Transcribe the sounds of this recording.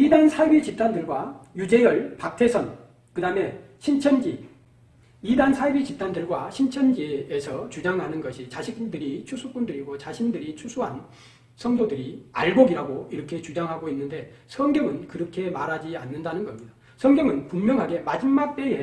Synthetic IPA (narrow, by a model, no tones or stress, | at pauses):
idansʰajbit͡ɕip̚t͈ʰandɯɭɡwajud͡ʑe̞jʌɭpak̚tʰe̞sʰʌn | kɯdame̞ | ɕʰint͡ɕʰʌnd͡ʑi | idansʰaibit͡ɕip̚t͈ʰandɯɭɡwaɕʰint͡ɕʰʌnd͡ʑiesʰʌt͡ɕud͡ʑaŋɦanɯnɡʌɕʰit͡ɕaɕʰikdɯɾit͡ɕʰusʰup͈undɯɾiɡot͡ɕaɕʰindɯɾit͡ɕʰusʰuɦan | sʰʌŋdodɯɾia̰ɭboɡiɾaɡoiɾʌkʰe̞t͡ɕud͡ʑaŋɦaɡoinːɯnde̞sʰʌŋɡjʌŋɯnkɯɾʌkʰe̞maɾɦad͡ʑianːɯndanɯnɡʌmɲida | sʰʌŋɡjʌŋɯnpummjʌŋɦaɡe̞mad͡ʑimːak̚t͈ee